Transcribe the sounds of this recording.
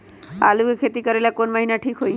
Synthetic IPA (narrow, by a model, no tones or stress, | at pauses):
a̰luekʰet̪ikəɾelakonməɦinaʈʰikɦoi